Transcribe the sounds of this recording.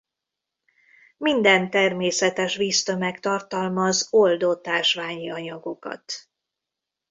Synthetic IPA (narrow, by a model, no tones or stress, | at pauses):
mind̪ɛnt̪ɛrmeːsɛt̪ɛʃviːst̪ømɛkt̪ɒrt̪ɒlmɒzo̞ld̪ot̪aːʃʋaːɲiɒɲɒɡo̞kɒ̰t̪